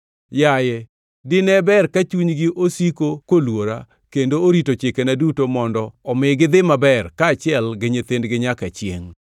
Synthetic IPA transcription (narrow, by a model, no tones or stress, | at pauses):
jajɛ | dɪnɛbɛrkat͡ʃuɲɡɪʔosikokolwoɾa | kendooɾitot͡ʃɪkenadutomɔndɔɔmɪɡɪd̪ɪmabɛrkaːt͡ʃɪɛlɡɪɲet̪endɡɪɲakat͡ʃjḛŋ